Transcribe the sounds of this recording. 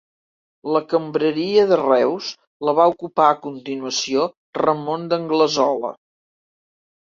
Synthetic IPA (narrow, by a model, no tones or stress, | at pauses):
ləkəmbɾəɾiəðərɛwz | ləβaukupaəkunt̪inuəsio | rəmond̪əŋɡləzɔlə̰